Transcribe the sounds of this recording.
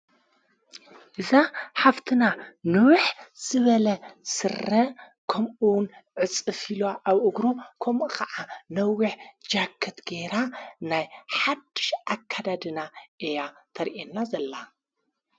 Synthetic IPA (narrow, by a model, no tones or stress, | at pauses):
ʔɨzaħaft̪ʰɨnanɨwħz̥ɨβɐlɐsɨrɐ | kʰɐmʔuwnʕɨt͡sʼɨfilaʔaβʔɨɡɾokʰɐmʔukɐʕanɐwːiħd͡ʒakʰːɐt̪ɡeɾanajħad̪ːɨ̥ʃʔakʰːad̪ad̪ɨnaʔejat̪ʰɐɾʔenːazɐlːa